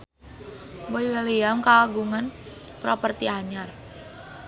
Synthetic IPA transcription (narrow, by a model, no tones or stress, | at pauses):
wɔjwelijamkaɡuŋan | pɾɔpərt̪iaɲar